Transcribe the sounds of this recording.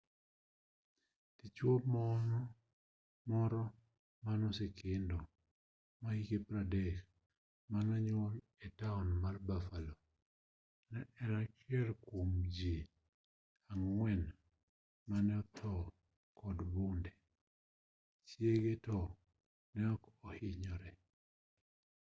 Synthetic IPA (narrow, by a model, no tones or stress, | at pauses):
tit͡ʃwomɔnɔ | mɔɾɔ | manɔsekɪndɔ | maikepɾadɛk | manaɲol | etaɔnmarbafalɔ | nɛɛɾakɪɛlkwomd͡ʒe | aŋwɛn | manɛɔt̪ʰɔ | kɔdbʊndɛ | t͡ʃjeɡetɔ | nɛɔkɔhɪɲɔɾɛ